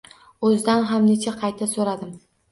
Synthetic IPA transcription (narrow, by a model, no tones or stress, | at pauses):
ɵzɪd̪anɦamne̞t͡ʃʰaqʰɑjt̪ʰasoɾad̪ɪm